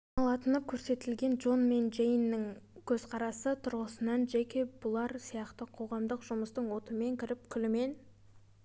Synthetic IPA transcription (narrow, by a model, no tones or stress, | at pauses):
nɑlˠɑt̪ənəp̚kʲʰɵɾse̞t̪ɪlɡʲe̞nd͡ʒo̞nme̞nd͡ʒejnːɪŋkʲʰɵzqʰɑɾɑsət̪ʰʊɾʁəsənɑnʒekʲe̞bʊlˠɑɾsijɑqt̪əqʰo̞ʁɑmd̪əqʒʊməst̪əɴwo̞t̪əme̞ŋkʲʰɪɾɪp̚kʲʰʏlɪme̞n